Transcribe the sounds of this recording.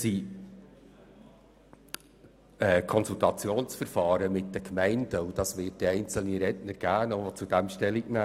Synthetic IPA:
si | ɛkʰɔnsultɑt͡sjoːnsfəɾfɑːɾəmɪt̚d̥əkʰmɛɪndəud̥ɑsʋɪːt̚d̥əɛɪnt͡sl̩niɾɛtnəɾɡ̥æːnɔʋɔt͡sud̥æmʃtɛliknæː

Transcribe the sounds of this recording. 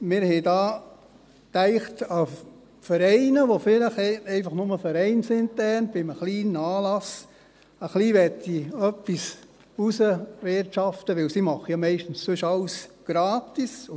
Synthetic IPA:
mɪɾhɛɪdɑː | tæɪχtɑ | fəɾɛɪnəʋofɪləχɛɛɪfɑχnʊməfəɾɛɪnsɪnt̪ɛnb̥ɪməχliːnɑːlɑs | əχliːʋɛtːiœpːis | usəʋɪɾtʃɑftəʋɪwsimɑχəjɑmɛɪʃtn̩ssʉʃɑlsɡ̥ɾɑːtis

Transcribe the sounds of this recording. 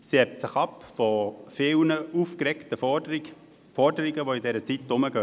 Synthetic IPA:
siɛtsɪχɑpfɔfɪlnəʔufkɾɛktə | fɔɾdəɾiɡəʋoidɛɾət͡sitːʊməɡ̥œ

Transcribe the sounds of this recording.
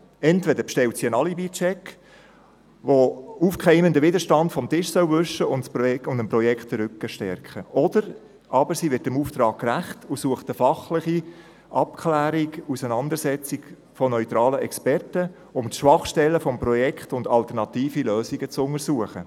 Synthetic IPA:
ɛntv̥ɛd̪əɾpʃtɛltsiənɑlibit͡ʃɛk | ʋoufkχɛɪməndəʋɪdəɾʃtɑndfɔmtɪʃsœwvʏʃːəʊntsʊndəmprɔjɛkχtəɾʏkːəʃtɛrkχəʔɔd̥əɾ | ʔɑbəɾsiʋɪɾtəmuːft̪ɾɑːkkːræχtusuəχtəfɑχlɪχi | ʔɑpkʰlæːɾikusənɑnd̪əɾsɛt͡sik | fɔnœʏt̪ɾɑːləɛkspɛrtə | ʊmtʃʋɑχʃtɛlːəfɔmprɔjɛkχtʊndɑlt̪əɾnɑt̪iːfiløːsiɡət͡sʊŋəɾsuəχə

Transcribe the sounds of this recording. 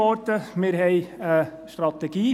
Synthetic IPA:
ɔɾt̪əmɪɾɦɛɪəʃtɾɑt̪ɛɡ̥iː

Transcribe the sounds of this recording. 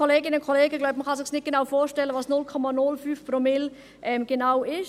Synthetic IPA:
oleːɡɪnənkʰoleːɡəɡlaʊbəməχɑsɪχsnɪt̚ɡ̥enaʊfoːʃtɛləvɑːsnʊlkʰɔmanʊlfyːfpʁomɪl | ʔɛmɡ̥ənaʊɪʃ

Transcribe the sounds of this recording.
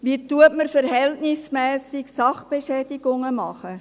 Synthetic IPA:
ʋiːtuətməɾfəɾhɛltnɪsmɛːsɪksɑχb̥eʃɛːd̥iɡ̥ʊŋəmɑχə

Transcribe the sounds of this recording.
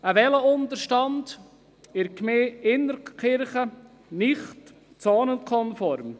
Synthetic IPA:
əʋɛləʊnd̪əɾʃtɑnd | ɪɾkmeːɪnːəɾkɪɾχə | nɪχt | t͡sɑːnənkʰɔnfɔɾm

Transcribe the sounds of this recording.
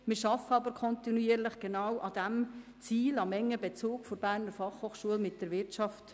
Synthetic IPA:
mɪɾʃɑfəɑbəɾkʰɔntinuiəɾləχɡ̥enɑwʔɑd̥æm | t͡siːlɑmɛŋːəbɛt͡soːkfoɾbæːɾnəɾfɑχhoːχʃuəlmɪt̚d̥əɾʋɪɾt͡ʃɑft

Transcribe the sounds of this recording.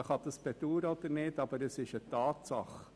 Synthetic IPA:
χɑd̪əspɛt̪uːɾəɔd̪əɾnɪːdɑb̥əɾəsɪʃətɑːtsɑ̰χ

